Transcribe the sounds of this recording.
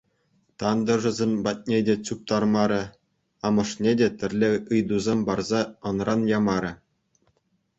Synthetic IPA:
t̪ɑnd̪ɤ̆ʐɤ̆zʲemʲbɑt̚ʲnʲedʲet͡ɕup̚t̪ɑrmɑɾʲɘ̆ | ɑmɤ̆ʂnʲedʲet̪ʲɘ̆rʲlʲeɯjd̪uzʲemʲbɑrzɑɤ̆nrʔɑnjɑmɑɾʲɘ̆

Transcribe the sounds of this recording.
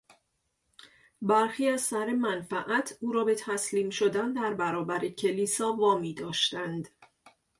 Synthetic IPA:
bæɾxiːæz̥sæɾemænfæʔæt̪ʰuːɾɒːbe̞t̪ʰæsliːmʃod̪ænd̪æɾbæɾɒːbæɾecʰe̞liːsɒːvɒːmiːd̪ɒːʃt̪ænd̪

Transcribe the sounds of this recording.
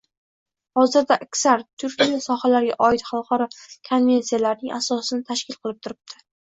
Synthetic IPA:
hɒzɪɾd̪aʔːkʲsaɾt̪ʰʊɾkʲijasɒhalaɾɡʲaʔɒɪt̪χalˠqʰɒɾɒkʰonvʲe̞nsijalaɾnɪŋasɒsɪnɪt̪ʰaʃkʲɪlˠqʰɨlˠɪp̚t̪ʰʊɾɪb̚t̪ʰɪ̥

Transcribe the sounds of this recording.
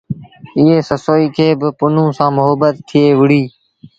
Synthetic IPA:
ɪɦeːsəsoːiːkʰeːbɪpʊn̤ũːsãːmʊɦəbət̪t̪ʰːɪeːʋɪɽiː

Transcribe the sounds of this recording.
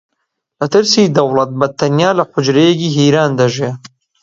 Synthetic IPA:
lɐt̪ɨɾsiːd̪ɐwlˠɐt̪̚bɐt̪ʰːɐnjaːlɐħʊd͡ʒɾejekiːɦiːɾaːnd̪ɐʒeː

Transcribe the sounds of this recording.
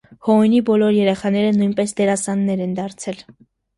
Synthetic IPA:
hɔnibɔlɔɾjɛɾɛχɑnɛɾənujnpɛsd̪ɛɾɑsɑnːɛɾɛnd̪ɑɾt͡sʰɛl

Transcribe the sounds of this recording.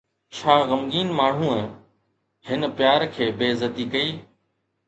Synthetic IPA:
t͡ʃʰaːɣɐmɡiːnmaːɳ̤ũːə̃ | hɪnəpjaːɾkʰeːbeːzət̪ikɐiː

